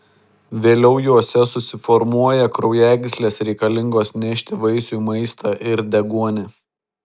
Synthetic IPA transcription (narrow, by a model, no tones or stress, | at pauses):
ʋʲeːlʲɛʊjuɔsʲɛsʊsʲɪfɔɾmuɔjɛkɾɔʊjæːɡʲsʲlʲeːsɾʲɛɪkɐlʲɪŋɡoːsnʲɛʃʲt̪ʲɪʋɐɪsʲumɐɪst̪ʰɑʔɪɾd̪ʲɛɡuɔnʲɪ